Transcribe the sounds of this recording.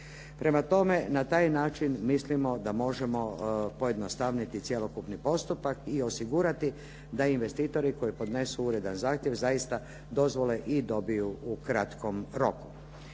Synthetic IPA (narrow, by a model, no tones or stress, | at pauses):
pɾe̞mat̪o̞me̞nat̪aːjnaːt͡ʃinmislimo̞d̪amo̞ʒe̞mo̞po̞je̞d̪nost̪aʋnit̪it̪sjelo̞kupnipo̞st̪upakio̞siɡuɾat̪i | d̪ainʋe̞st̪iːt̪o̞ɾiko̞jipo̞d̪ne̞suuɾe̞d̪anzaːxt̪je̞ʋzajist̪a | d̪o̞zʋo̞le̞ʔid̪o̞bijuukɾat̪ko̞mɾo̞ku̥